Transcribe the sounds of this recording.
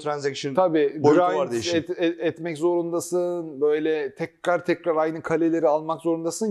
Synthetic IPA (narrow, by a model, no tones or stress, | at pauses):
t̪ʰɾanzɛkʃɯt̪ʰabiːbiɾaaɾd̪iʃɛɛt̪mɛczo̞ɾund̪asɯnbø̞jlʲɛt̪ʰɛcɾaɾt̪ʰɛcɾaɾajnɯkʰalʲelʲe̞ɾialˠmakzo̞ɾund̪asɯn